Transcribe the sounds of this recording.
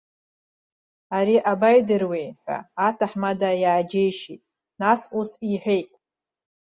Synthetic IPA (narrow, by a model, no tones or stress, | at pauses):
aɾiʔabajdɨrwejħʷᶣa̰ːtʰaħmadajaːd͡ʒejʃitʼ | nasusiħʷᶣe̞jtʼ